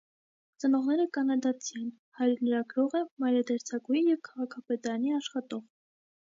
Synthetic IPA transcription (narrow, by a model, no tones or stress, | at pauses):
t͡sənɔʁnɛɾəkɑnɑd̪ɑt͡sʰiɛn | hɑjɾnəɾɑɡɾɔʁəmɑjɾɑd̪ɑɾt͡sʰɑkujijɛvkʰɑʁɑkʰɑpɛt̪ɑɾɑniɑʃχɑt̪ɔʁ